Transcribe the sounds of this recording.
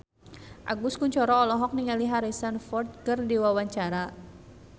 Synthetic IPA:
ʔa̰ɡʊskuɲt͡ʃɔɾɔːlɔɦɔk̚niŋaliɦaɾisanfɔrt̪̚kərdiwawaɲt͡ʃaɾa

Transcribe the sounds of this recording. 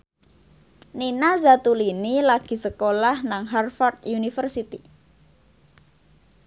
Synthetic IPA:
ninazat̪ulinilaɡ̥i̤səkolahnaŋɦarfɔrt̪junifərsit̪i

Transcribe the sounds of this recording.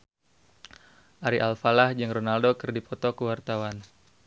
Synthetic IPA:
ʔaɾiʔalfalahd͡ʒəŋronaldokɨrdipʰɔt̪ɔkuwart̪awan

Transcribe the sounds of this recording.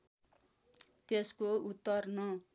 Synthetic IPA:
t̪eskout̪ːʌrnʌ

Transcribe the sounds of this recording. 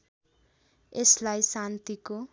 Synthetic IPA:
eslajsant̪iko

